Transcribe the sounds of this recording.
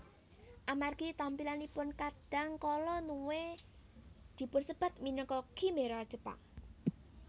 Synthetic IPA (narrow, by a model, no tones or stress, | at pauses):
ʔamarɡ̥it̪ampilanipʊnkad̥a̤ŋkɔlɔnuwe | d̪̥i̤pʊnsəb̥a̤t̪̚minəŋkɔkimeɾɔd̥ʒ̥ə̤pa̰ŋ